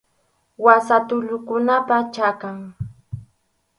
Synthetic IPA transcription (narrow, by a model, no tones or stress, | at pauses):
wasat̪ʊʎʊkʊnapat͡ʃakaŋ